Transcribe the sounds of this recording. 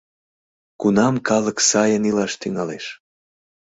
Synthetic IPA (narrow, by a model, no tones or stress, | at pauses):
kunɑmkɑləksɑjənilɑʃt̪yŋɑleʃ